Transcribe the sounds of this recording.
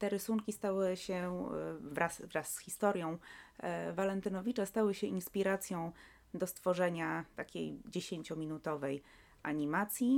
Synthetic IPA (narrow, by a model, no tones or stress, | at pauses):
t̪ɛɾɘsuŋkʲist̪awɘɕɛ | vɾasvɾasːxʲist̪ɔɾjɔ̃w̃ | valɛnt̪ɘnɔvʲit͡ʂast̪awɘɕɛinspʲiɾat̪sʲjɔ̃w̃ | d̪ɔst̪fɔʐɛɲat̪akʲḛjd͡ʑeɕeɲt͡ɕɔmʲinut̪ɔvɛj | ʔaɲimat̪sʲji